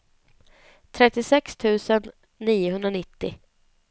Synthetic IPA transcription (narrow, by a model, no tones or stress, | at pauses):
t̪ʰɾɛt̪ːɪsɛkst̪ʰʉ̟ːsənː | iːʊɦɵnd̪ɾanɪt̪ːɪ̰